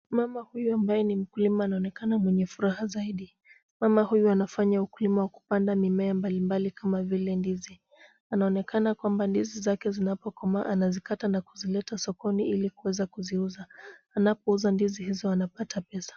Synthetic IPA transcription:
mamahujuambajɛnim̩kulimaːnaɔnɛkanamwɛɲɛfuɾahazaiɗi | mamahujuanafaɲaukulimawaku̥pandamimɛambalimbalikamavilɛndizi | anaɔnɛkanakwambandizizakɛzinapɔkɔmaanazikatanakuzilɛtasɔkɔniilikuwɛzakuziuzaː | napɔuzandizihizɔanapatapɛsḁ

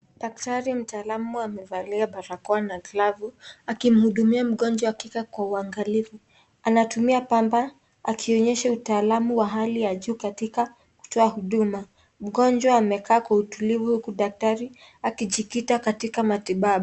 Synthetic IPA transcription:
ɗak̚taɾim̩taːlamuamɛvaliaɓaɾakɔanaɡlavuakim̩huɗumiam̩ɠɔnd͡ʒwaakikakwauaŋɡalivu | anatumiapamba | akʰiɔɲɛʃautaːlamuwaɦalijaʄuːkatika | ku̥tɔahuɗuma | m̩ɠɔnd͡ʒwaːmɛkaːkwautulivuhukuɗak̚taɾi | akiʄikitakatikamatiɓaɓɔ

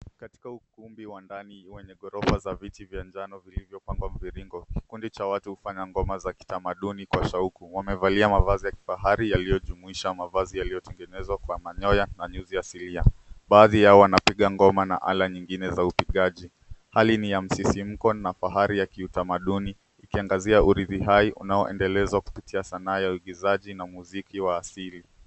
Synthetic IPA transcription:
kati̥kaukumbiwandaniwɛɲɛɠɔɾɔfazavitivjand͡ʒanɔvilivjɔpaŋɡwam̩viɾiŋɡɔki̥kundit͡ʃawatuhufaɲaŋɡɔmazaki̥tamaɗunikwaʃaukuwamɛvaliamavazijaki̥faɦaɾijalijɔʄumuiʃamavazijalijɔtɛŋɡɛnɛzwakwamaɲɔjanaɲuzijasiliaɓaːðijaɔwanapiɠaŋɡɔmana̰ʔa̰laɲiŋɡinɛzaupiɠaʄi | halinijam̩sisim̩kɔnafaɦaɾijakiutamaɗuniː | kiaŋɡaziaʔuɾiðiɦaiʔunaɔʔɛ̰ndɛlɛzwaku̥pitʰiasanaːjauiɠizaʄinamuzikiwaːsili

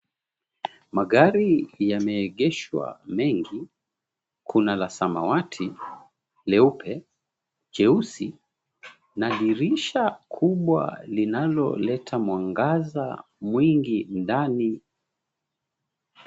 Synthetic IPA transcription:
maɠaɾijamɛːɠɛʃwa̰mɛŋɡi | kʰunalasamawatʰi | lɛupɛ | d͡ʒɛusi | naɗiɾiʃakʰuɓwa̰linalɔ̰lɛtʰamwaŋɡaza | mwiŋɡindani

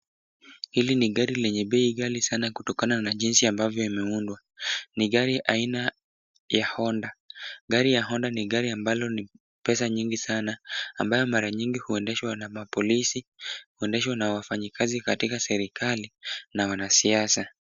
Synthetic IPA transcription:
hiliniɠaɾilɛɲɛɓɛiɠalisanakutɔkananaʄinsiambavjɔimɛundwa | niɠaɾiʔaina | jahɔndaɠaɾijaɦɔndaniɠaɾiambalɔni | pɛsaɲiŋɡisanaːmbajɔmaɾaɲiŋɡihuɛndɛʃwanamapɔlisihuɛndɛʃwanawafaɲikʰazikatikasɛɾikalinawanasiasa

